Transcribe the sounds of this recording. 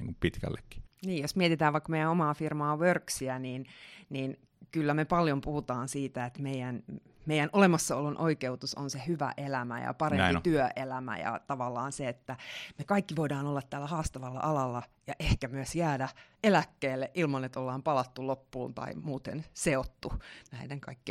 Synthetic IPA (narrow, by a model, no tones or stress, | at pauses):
nḭŋkumpit̪kæ̰lːekːi̥niːjjosmiet̪it̪æːʋʋɑikːmeijæomɑːfirmɑːʋørksiæniːnniːn | kylːæmepɑljompuhut̪ɑːnsiːt̪æet̪meijæn | meijænʔolemɑsːɑolːunʔoikeut̪uso̰nsehyʋæ̰ʔelæmæ̰jɑ̰pɑren̰mpit̪yøʔelæmæ̰jɑ̰t̪ɑʋɑlːɑːnseet̪ːæmekɑikːiʋoidɑːnolːɑt̪t̪ːæːlːæhɑːst̪ɑʋɑlːɑ̰ʔɑlɑlːɑ | jɑʔehkæmyøsjæːdæ | elækːeːlːeʔilmɑnet̪olːɑːmpɑlɑt̪ːulopːuːnt̪ɑ̰imuːt̪ḛnseot̪ːunæideŋkɑ̰ikːi